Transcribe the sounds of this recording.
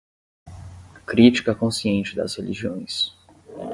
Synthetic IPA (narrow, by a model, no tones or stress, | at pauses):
kɾit͡ʃi̥kɐkõsiẽnt͡ʃɪd̪ɐ̰shelʔiʒiõj̃s